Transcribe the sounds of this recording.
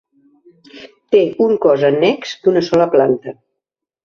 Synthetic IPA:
t̪eʔuŋkɔzənɛksd̪̥unəsɔləplant̪ə

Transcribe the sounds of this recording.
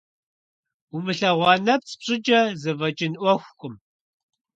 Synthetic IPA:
umɨɬɐʁʷɑːnɐp̚t͡sʼpɕʼɪd͡ʒɐzɨvɐd͡ʒʼɪnʔʷɔxʷkʷʼʊm

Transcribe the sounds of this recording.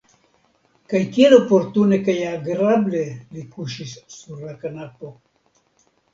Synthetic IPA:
kajkielopoɾt̪unekajaːɡɾablelikuʃisːuɾlakanapo

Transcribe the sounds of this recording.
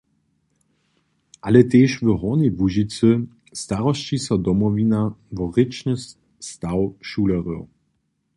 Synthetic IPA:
ʔalɛt̪eːʃvəɦɔnivuʒit͡sə | st̪aʁɔst͡ʃisɔd̪ɔmɔvinavɔʁɪt͡ʃnəs | st̪awʃulɛʁə

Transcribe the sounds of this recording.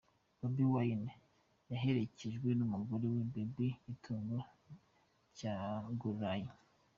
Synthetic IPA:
babiwaina | jaɦeɾe̞ceʒɡwenumuɡoɾewebebiikʰuːŋɡo | caɡuɾaji

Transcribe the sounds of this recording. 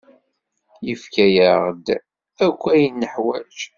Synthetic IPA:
jəfkæjaʁd̪ | ækʷːæjənːəħwæd͡ʒ

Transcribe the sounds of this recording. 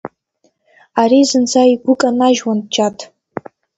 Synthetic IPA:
aɾizɨnt͡sʰaiɡʷʊkʼanaʒwant͡ʃʰʼatʼ

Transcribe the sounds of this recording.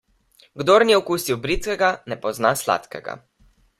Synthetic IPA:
ɡd̪oɾniɛɔkuːsiwbɾit̪kɛɡanɛpɔznasla̰ːt̪kɛ̰ɡa̰

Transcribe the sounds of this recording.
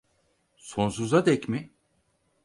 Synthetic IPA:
so̞ns̬uzad̪ɛcmɪ

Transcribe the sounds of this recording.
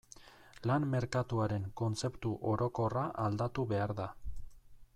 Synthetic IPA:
lamme̞ɾkat̪uaɾe̞ŋko̞nt͡se̞pt̪uʔo̞ɾo̞ko̞raʔald̪at̪uβe̞aɾða

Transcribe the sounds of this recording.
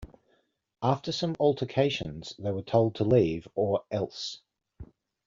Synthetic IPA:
ʔɑˑftəsə̃mɔlˠtʰəkʰeɪʃə̰̃nz̥ðeɪwətʰoʊlˠd̚tʰəliːvəɹɛlˠs

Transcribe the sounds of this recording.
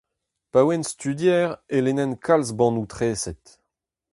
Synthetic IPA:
pawɛnst̪yd̪jɛːʁelenɛnkʰalsbɑ̃nut̪χɛːsɛt̪

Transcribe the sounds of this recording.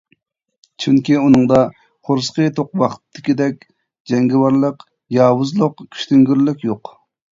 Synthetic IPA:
t͡ʃʰyŋkʲiunɨŋd̪ɑ | χoɾsqət̪ʰoqwɑχt̪t̪ːɪkʲid̪ɛkʲ | d͡ʒɛŋɡʲɪwɑɾlˠəq | jɑːwuzlˠʊqkʲʰy̥ʃt̪yŋɡʲyɾlɪkʲjoq

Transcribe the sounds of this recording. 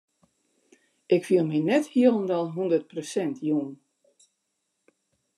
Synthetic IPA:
ʔɪkfiəlˠminɛthiəlˠəndɔlˠɦundərt̚prosɛntʰjun

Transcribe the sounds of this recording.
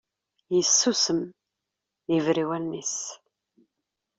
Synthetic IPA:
jəsːusəm | ivɾiwælnis

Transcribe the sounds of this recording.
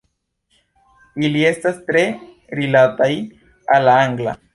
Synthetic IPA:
ilie̞stastɾe̞ | ɾilataj | alːaaŋɡla̰

